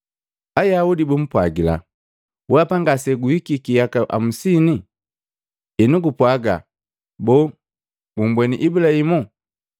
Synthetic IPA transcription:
ajaudibum̩pwaɡila̰ | wapaŋɡasɛɡuhikikijakaʔa̰m̩sini | ɛnuɡupwaɡa̰ | bɔ | bumbwɛnḭʔibulahimu

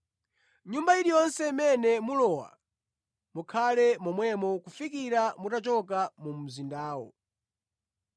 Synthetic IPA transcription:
ɲumbaiɗijɔnsɛimɛnɛmulɔwa̰ | mukʰalɛmɔmwɛmɔkufikiɾamutat͡ʃɔk̬amum̩zindaːwɔ̰

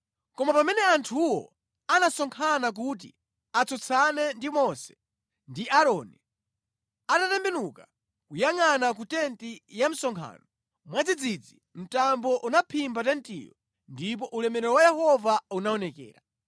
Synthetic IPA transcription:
kɔmapamɛnɛantʰuwɔ̰ | anasɔŋkʰanak̬ut̬ḭ | at͡sʰɔt͡sʰanɛndimɔsɛ̥ | ndiʔaɾɔni | atatɛmbɛnuka | kujaŋanak̬utɛntijam̩sɔŋkʰa̰ːnɔ | mwad͡zid͡zid͡zi | m̩tambɔʔunapʰimbatɛntḭjɔ̰ | ndip̬ɔʔulɛmɛɾɛɾɔwajɛhɔvaunaɔnɛkɛ̰ːɾa

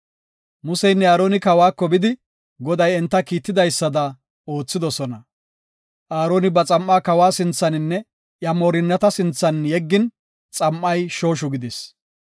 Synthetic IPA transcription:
mʊsɛjnːɛaːɾoːnɪkɐwaːkːɔbɪd̪ɪ | ɡɔd̪ɐjɛnt̪ːɐkiːt̪ːɪd̪ɐjsːɐd̪ɐ | o̞ːt͡sːɪd̪ɔsɔnɐ | ʔaːɾoːnɪbɐt͡sʼɐmːaːkɐwaːsɪnt͡sːɐnɪnːɛ | ʔjɐmoːɾɪnːɐt̪ɐsɪnt͡sːɐnjɛɡːɪn | t͡sʼɐmʔːɐjʃo̞ːʃ̬ʊɡɪd̪ɪs

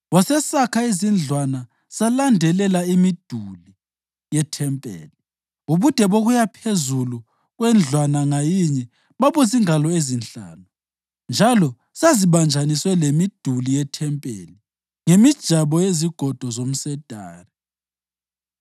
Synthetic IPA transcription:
wɔsɛsakʰaizind͡ɮʱwana | salandʱɛlɛlaimid̥ʱuli | jɛtʰɛmpʼḛːli | uβud̥ʱɛβoɣujapʰezulu | ɣwɛnd͡ɮʱwanaŋajiɲɛ | βaβuziŋalɔezinɬa̰ːnu | nd͡ʒʱalɔ | saziβand͡ʒʱaniswɛlemid̥ʱulijɛtʰɛmpʼḛːli | ŋemid̥ʒ̥ʱaβɔjeziɡ̥ʱɔd̥ʱɔzom̩sɛd̥ʱaːri

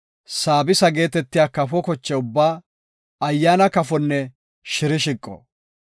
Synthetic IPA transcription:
saːbɪsɐɡe̞ːt̪ɛt̪ːɪjaːkɐfɔkɔt͡ʃːɛʊbːaː | ɐjːaːnɐkɐfɔnːɛ | ʃɪɾɪʃɪkʼːɔ̰

